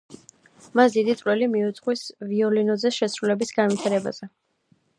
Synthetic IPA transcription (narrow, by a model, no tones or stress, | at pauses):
masd̪id̪it̪sʼwɛlimiut̪sʰʼχʼwisviɔlinɔzɛsʃɛsɾulɛbisɡanvwit̪ʰaɾɛba̰z̥ɛ